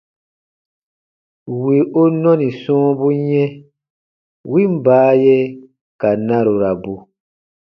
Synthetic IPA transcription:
wi˨ʔo˦nɔ̃˦nĩ˨sɔ̃ː˦bu˦ɲɛ̃˦ | wi˦m̩˦baː˨˦je˦ | ka˨nã˦ɾo˨ɾa˨bu˨

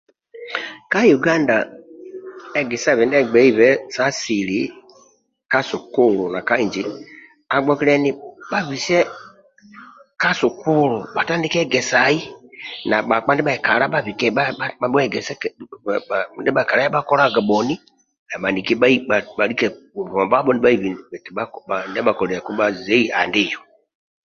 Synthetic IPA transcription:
ka˦ju˨ɡã˦nda̰˨ | ɛ˨ɡɛ˨sa˦˨βɛ˨ndɛ˦˨ɡ͡bɛ˨˦i˦˨βɛ˦sa˦si˨li˨˦ | ka˦so˨ko˦˨lo˨na˨ka˦i˨d͡ʒi˨˦ | a˨ɡ͡bɔ˦ki˦ɾɛ˦nĩ˦ɓa˨βi˨sɛ˦ | ka˦so˨kʰu˦˨lo˨ɓa˨ta˦ndi˦kɛ˦˨ɡɛ˨sa˨˦ji˦na˨ɓa˨k͡pa˦n˦dɛ˦ɓa˨i˨ka˨ɾa˦ɓa˦˨vi˨kɛ˦a˦a˨˦ɛ˦˨ɡɛ˨sɛ˦˨ | ndɛ˦ɓa˨ka˨ɾa˦ja˦ɓa˦kɔ˦ɾa˦ɡa˨ɓɔ˨ni˦ | na˨ɓa˨ni˨ki˦ɓa˦i˦a˨ɓa˨ɾi˦kɛ˦˨u˨βɔ˨ba˦ɓɔ˦ni˦ɓa˦i˦˨vi˨nɛ˨ti˨ɓa˦ka˨nɛ˦ɓa˨kɔ˨ɾɛ˨a˨ku˦ɓa˦zɛ˦i˦a˨ndi˦˨jɔ˨

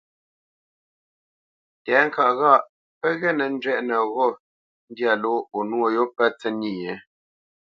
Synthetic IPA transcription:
tɛː˨˦ŋ̩˨ka˨ʔɣa˦˨ʔ | pə˦ɣɛ˦˨nə˨n̩˦d͡ʒɥɛ˦ʔnə˨ɣɔ˦˨ | n̩˦dja˦˨lo˨˦o˨nwo˦˨jo˦pə˦t͡sə˦ni˨ɲɛ˨˦

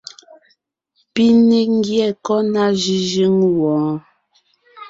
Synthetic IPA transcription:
pi˦ni˦ŋ˦ɡjɛ˨kɔ˦na˦ʒi˦ʒi˦ŋwɔ̃˨˦

